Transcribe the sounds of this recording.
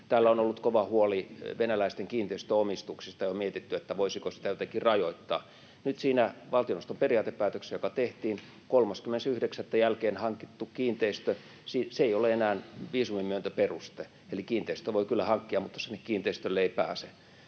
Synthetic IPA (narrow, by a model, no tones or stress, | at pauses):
t̪æːlːæonolːut̪koʋɑhuoliʋenælæist̪eŋkiːnt̪eist̪øomist̪uksist̪ɑjomiet̪it̪ːyet̪ːæʋoisikosi̥t̪æjot̪ækirɑjoit̪ːɑː | nyt̪siːnæʋɑlt̪ionost̪omperiɑːt̪eppæːt̪øksejokɑt̪eht̪iːn | kolmɑskymːenesyhdeksæt̪ːæjælkeːnhɑŋkit̪ːukkiːnt̪eist̪ø | siːseeioleenæːnʋiːsumimyønt̪æperust̪e | elikiːnt̪eist̪øʋoikylːæhɑŋkːiɑmut̪ːɑ̥senːekkiːnt̪eist̪ølːeeipæːse